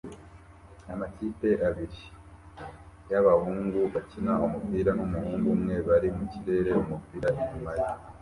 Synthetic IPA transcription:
amatite̞ʔaβiɾi | jaβahuːŋɡuβacinaumupiːɾanumuhuːŋɡumŋe̞βaɾimuciɾe̞ɾe̞umupiːɾaiɲumaɾi

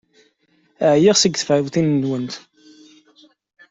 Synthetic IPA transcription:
əʕjiʁsəɡθfʕəwθinːwənt̪

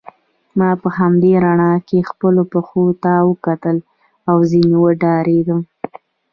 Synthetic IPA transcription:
mɑpəɦamd̪eɾaɳɑkexpəlopəxot̪awəkat̪əl | awzinewəɖɑɾeɡ̪əm

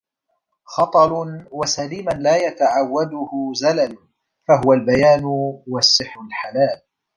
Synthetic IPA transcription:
xɑt̪ˤɑɾʊwasaliːmanlaːjat̪aʕawːad̪ʊhʊzalal | faɦʊwalbajaːnʊwasːɪħɾʊlħalaːl

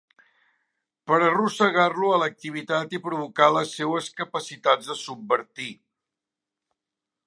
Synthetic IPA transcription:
pəɾərusəɣarluələk̚t̪iβit̪at̪ipɾuβ̞ukaləsːewəskəpəsit̪ad͡zðəsubbəɾt̪i

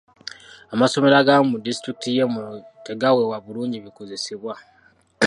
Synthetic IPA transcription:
amaso̞me̞ɾaɡamudistɾik̚itijemueɡawewaβuluːɲɟiβiko̞ze̞siβwa

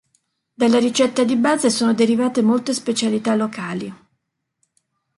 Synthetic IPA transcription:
d̪alːaɾit͡ʃɛt̪ːad̪ibaːzesoːnod̪eɾivaːt̪emolt̪espet͡ʃalit̪alːokaːli

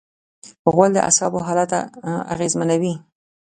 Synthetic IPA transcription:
ɣwald̪ə̰ʔa̰sɑboɦɑlat̪a̰a̰ɣezmanawi

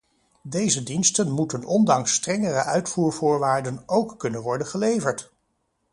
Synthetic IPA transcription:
dejzədinstənmutənɔndɑŋstrɛŋərəʔœɥtfuːɹvʊːɹʋaːɹdənowkːɵnənʋɔɹdənχəlejvəɹt

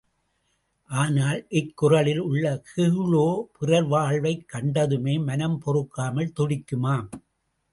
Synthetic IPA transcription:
ʔaːnaːlʔɪkːʊrɐɭɪlʊɭːɐkɪɭoːpʊrɐɾʋaːɭʋɐɪkːɐɳɖɐðɯmeːmɐnɐmpɔrɯkːaːmɐlt̪ɔɽɪkːɯmaːm

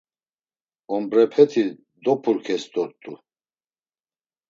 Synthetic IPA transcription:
ɔmbɾɛpʰɛt̪ʰi | d̪ɔpʰuɾkʰɛsd̪ɔɾt̪ʼu

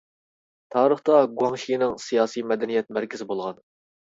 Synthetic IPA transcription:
t̪ʰɑːɾəχt̪ɑɡuɑŋʃijnɪŋsijɑːsijmɛd̪ɛnijɛt̪̚mæɾkʲɪzɪbolˠʁɑn

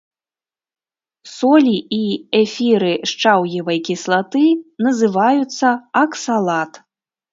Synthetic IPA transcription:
sɔlʲiiɛfʲiɾɨʂt͡ʂawjivɐjkʲislˠat̪ɨnɐzɨvajut̪sːɐɐksalˠat̪

